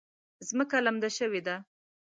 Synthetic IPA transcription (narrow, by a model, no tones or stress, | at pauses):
zməkalamd̪aʃəwed̪a